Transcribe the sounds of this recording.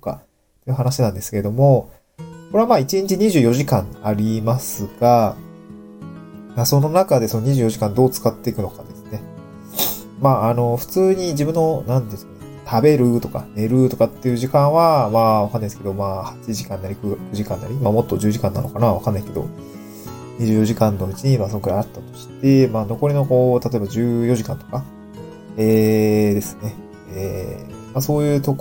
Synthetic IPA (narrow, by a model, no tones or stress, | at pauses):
t̪oka̰ | t̪ːoeiɯ̟ɦanaɕinãnd̪e̞sɨ̥ked̪o̞mo̞ | ko̞ɾe̞βamaːit͡ɕĩɲ̟t͡ɕiɲ̟iʑɨ̟ːjo̞ʑikãŋaɾʲimasɨɡ̥a | maso̞no̞nakad̪e̞so̞no̞ɲiʑɨːjo̞ʑikãnd̪o̞ːt͡sɨ̥kat̪ːe̞ikɯ̟no̞kad̪e̞sɨ̥ne̞ | maːno̞ɸɯ̟̥t͡sɨːɲ̟id͡ʑibɯ̟̃nːo̞nãnt̪esko | t̪ʰabe̞ɾɯ̟t̪o̞ka̰ne̞ɾɯ̟t̪o̞kat̪ːe̞jɯ̟ːʑikãɰ̃βamaːβakanːaisɨ̥ked̪o̞maːhat͡ɕiʑikãnːaɾʲikɯkɯ̟ʑikãnːaɾʲimaːmo̞t̪ːo̞d͡ʑɨːʑikãnːa̰no̞kanaβakanːaike̞d̪o̰ | ɲ̟iʑɨːjo̞ʑikãnːo̞it͡ɕiɲ̟imaːs̬onkɯɾaat̪ːat̪o̞̥ɕi̥t̪e̞maːno̞ko̞ɾʲino̞ko̞ːt̪at̪o̞e̞bad͡ʑɨːjo̞ʑikãnt̪o̞ka | eːd̪e̞sɨ̥ne̞ | emaso̞ːjɯ̟ːt̪o̞k